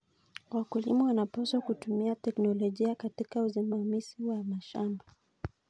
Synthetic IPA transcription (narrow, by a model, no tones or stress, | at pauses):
wakulḭmawanapaswakutumiatɛknɔlɔʄiakatikauzimamiziwamaʃamba